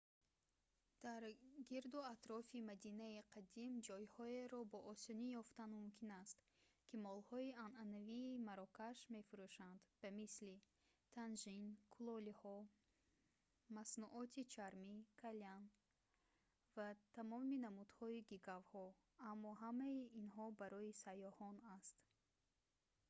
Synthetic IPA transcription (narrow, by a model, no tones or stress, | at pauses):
d̪̥aɾɡiɾd̪uat̪ɾɔfimad̪inaiqʰad̪imd͡ʒɔjhɔeɾɔbɔʔɔsɔnijɔft̪anmumkʰinast̪ | kʰimɔlhɔiananaviːmaɾɔkaʃme̞fuɾuʃand̪b̥amisli | t̪ʰanʒinkʰulɔlihɔ | masnuʔɔt̪ʰit͡ʃʰaɾmikʰalian | vat̪ʰamɔminamud̪hɔiɡiɡavhɔ | amːɔɦamaiinɦɔbaɾɔisajɔhɔnast̪